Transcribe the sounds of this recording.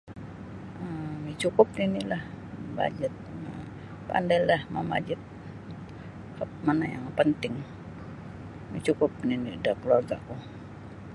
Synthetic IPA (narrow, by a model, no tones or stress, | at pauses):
əmit͡ʃukʊp̚ninilah | ba̰d͡ʒət̪̚ma | pa̰ndajlahmama̰d͡ʒət̪̚ | kamanaja̰ŋpənt̪ɪŋ | mit͡ʃukʊp̚ninidakəluarɡaʔku